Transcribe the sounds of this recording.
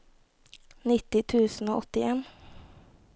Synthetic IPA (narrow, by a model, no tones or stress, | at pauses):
nɪt̪ɪt̪ʰʉːsn̩oːʔɔt̪ɪeːn